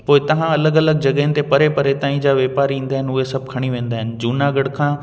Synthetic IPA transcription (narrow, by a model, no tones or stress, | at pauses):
poːɪt̪ɐʋ̤ãɐləɡɐləɡ̚d͡ʑɐɠəɦɪnɪ̆t̪epɐɾepɐɾet̪aːĩd͡ʑaːʋeːpaːɾĩːn̆d̪aːɦɪnʊɦesɐb̚ʱkʰɐɽ̃iʋẽːn̆d̪aːɦɪnɪ̆d͡ʑuːnaɡɐɽkʰãː